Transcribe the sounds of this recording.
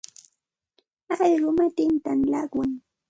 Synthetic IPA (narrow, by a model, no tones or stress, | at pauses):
ɑɢɑʎɾʊmat̪ɪnt̪anlakwaŋ